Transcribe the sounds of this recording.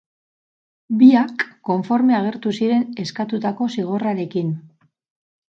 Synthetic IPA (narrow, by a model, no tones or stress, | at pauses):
biakːo̞ɱfo̞ɾme̞aɣ̞e̞ɾt̪usiɾe̞ne̞skat̪ut̪ako̞siɣ̞o̞raɾe̞kin